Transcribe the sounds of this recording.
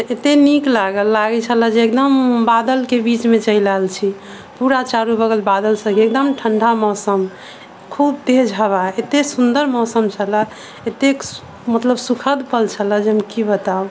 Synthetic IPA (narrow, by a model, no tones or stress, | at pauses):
et̪eniklaɡəlːaɡɛt͡ʃʰələd͡ʒeek̚d̪əmbad̪əlkebit͡ʃmet͡ʃəjləɦlt͡ʃʰi | puɾat͡ʃaɾubəɡəlbad̪əlsə̃keek̚d̪əmʈʰəɳɖʱamɔsəm | kʰub̚t̪ed͡ʒʱɦəβaet̪esund̪əɾmɔsəmt͡ʃʰələ | et̪ek | mət̪ləbsukʰəd̪pəlt͡ʃʰələd͡ʒeɦəmkibət̪au